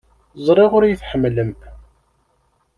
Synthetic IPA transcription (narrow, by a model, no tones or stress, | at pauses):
zˤɾˤiʁʊɾjəθħəmːləm